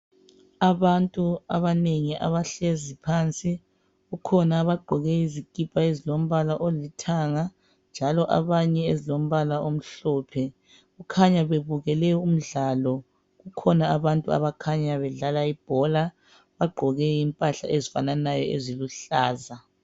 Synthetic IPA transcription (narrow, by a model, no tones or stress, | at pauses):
aβantʼuaβaneŋiʔa̰βaɬezipʰant͡sʼi | ɣukʰɔnaːβaɡ͡ǃʱɔɣɛizikʼipʰʼaezilom̩βalaʔolitʰaŋa | nd͡ʒʱalɔʔa̰βaɲɛezilom̩βalaom̩ɬɔːpʰɛ | ɣukʰaɲaβeβuɣɛlɛɔum̩ɮaːlɔ | ɣukʰɔnaːβantʼua̰βakʰaɲaβɛɮalaib̥ʱɔla | βaɡ͡ǃʱɔɣɛimpʼaɬa̰ʔezifananajɔḛziluɬaːza